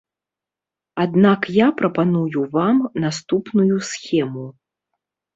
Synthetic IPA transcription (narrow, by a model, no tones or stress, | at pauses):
ad̪nakjapɾɐpanujuvamnast̪upnujusʲxʲɛmu